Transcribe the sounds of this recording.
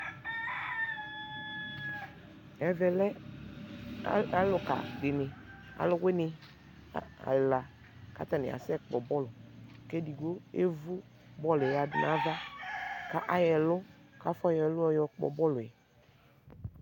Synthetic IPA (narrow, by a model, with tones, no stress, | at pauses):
ɛ˨vɛ˨lɛ˦ | lʊ˨ka̰˨dɪ˨nɪ˨ | a̰˨lʊ˦we˦nɪ˨˦ | a̰˨lla˨ | ka̰˦t̪a˨nɪ̰˨a̰˨sɛ˦k͡pɔ˨bɔ˦lʊ˨ke˦di˨ɡo˦ḛ˦vu˦ | bɔ˦lʊ˨ɛ˨a˨dɪ˨nã˨˦va˦ka˦ʔa˦jɛ˨lʊ˦ka˦fɔ˦jɛ˨lʊ˦ɛ˦jɔ˨k͡pɔ̰˨bɔ˦lʊ˨ɛ˨